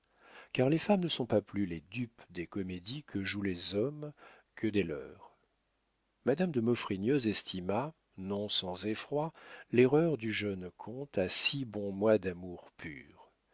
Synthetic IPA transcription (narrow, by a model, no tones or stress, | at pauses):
kaʁlefamnəsɔ̃paplyled̪ypd̪ekɔmed̪ikʰəʒulezɔm | kʰəd̪elœ̰ːʁ | mad̪amd̪əmɔfχinjøzɛst̪ʰima | nɔ̃sɑ̃zefχwaleʁœʁd̪yʒœnkʰɔ̃t̪asibɔ̃mwad̪amuʁpʰy̰ːʁ